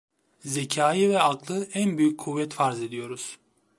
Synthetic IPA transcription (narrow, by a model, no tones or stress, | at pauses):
zecʰaːjivɛaklˠɯænbyjyckʰuvːɛt̪faɾze̞d̪ijo̞ɾuz̥